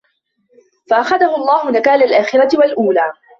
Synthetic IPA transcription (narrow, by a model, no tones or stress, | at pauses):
faʔaxaðahʊɑlˤːɑːhʊnakaːlalʔaːxɪɾˤɑt̪ɪwalʔuːlaː